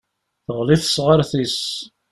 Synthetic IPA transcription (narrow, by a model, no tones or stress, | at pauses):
θəʁliθəsʁəɾθis